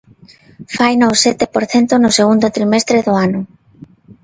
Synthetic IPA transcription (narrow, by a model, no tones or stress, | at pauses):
fajnosɛt̪epoɾθent̪ʊnʊseɣund̪ʊt̪ɾimest̪ɾeðʊanʊ